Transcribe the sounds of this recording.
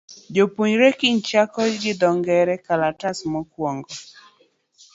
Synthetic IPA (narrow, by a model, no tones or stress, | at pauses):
d͡ʒopuɲɾekiɲt͡ʃakɔd͡ʒɡɪd̪ɔŋɡɛɾɛkalatasmɔkwɔŋɡɔ